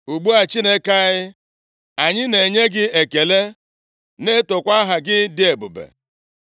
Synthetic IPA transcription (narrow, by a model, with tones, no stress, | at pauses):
u˨ɡ͡bu˦a˨t͡ʃi˦ne˦ka˦ɣɪ˦ | a˨ɲɪ˦ne˨ɲe˦ɡɪ˦e˨ke˨le˦ | ne˦tʊ˨kʷa˦ɦa˨ɡɪ˦dɪ˦e˨bʊ̰˨bḛ˨